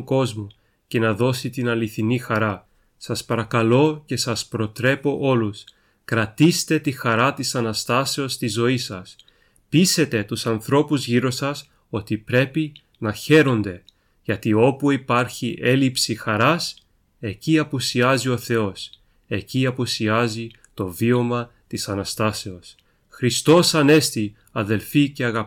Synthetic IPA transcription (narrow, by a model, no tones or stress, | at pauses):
ŋko̞zmu | ce̞nɐðo̞sit̪inɐliθinixɐɾɐ | sɐspɐɾɐkɐlo̞ce̞sɐspɾo̞t̪ɾe̞po̞ʔo̞lus | kɾɐt̪ist̪e̞t̪ixɐɾɐt̪isɐnɐst̪ɐse̞o̞st̪izo̞isɐs | pise̞t̪e̞t̪usɐnθɾo̞puzʝiɾo̞sɐs | o̞t̪ipɾe̞pi | nɐçe̞ɾo̞nd̪e̞ | ʝɐt̪io̞puipɐɾçiʔe̞lipsixɐɾɐs | e̞ciɐpusiɐzio̞θe̞o̞s | e̞ciɐpusiɐzi | t̪o̞vio̞mɐt̪isɐnɐst̪ɐse̞o̞s | xɾist̪o̞sɐne̞st̪i | ɐðe̞lfice̞ɐɣɐp